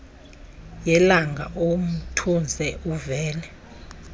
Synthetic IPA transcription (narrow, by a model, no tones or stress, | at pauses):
jɛlaŋɡʱa̰ʔom̩tʰund͡zʱɛʔuvɛːlɛ